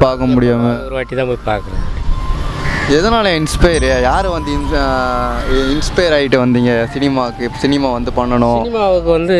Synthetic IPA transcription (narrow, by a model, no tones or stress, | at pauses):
paːɾkɐmʊɽɪjaːmɯɾɯʋaːʈːit̪ãːpopa̰ːɾkɯɾɐð | ɛðɐnaːlɐ̃ɪnspɐɪɐɾjajaːɾɯʋɐnd̪ɯ | ɪnspɐjɐɾaːɪʈːɯʋɐnd̪iːŋɡɐsɪnɪmaːɯkːɯsɪnɪmaːʋɐnd̪ɯpɐɳːɐɳʊ̃nɪmaːʋɯkːɯʋɐnd̪ɯ